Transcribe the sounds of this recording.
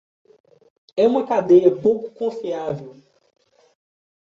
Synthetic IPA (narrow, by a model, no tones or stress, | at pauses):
ɛũmɐkad̪ejɐpowkʊ̥kõfiavew